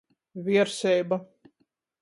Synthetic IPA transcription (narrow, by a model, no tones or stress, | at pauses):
vʲiɛɾsɛjba